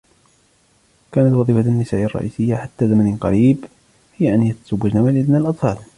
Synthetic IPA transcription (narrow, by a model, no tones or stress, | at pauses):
kæːnat̪wɑðˤiːfanːɪsaːʔɑrˤːɑ̰ʔiːsɪjːaħat̪ːaːzamanɪnqɑ̰ɾiːb | hɪjːaʔanjat̪ḁzawːad͡ʒnawalʔɪd̪nalʔɑt̪ˤfɑːl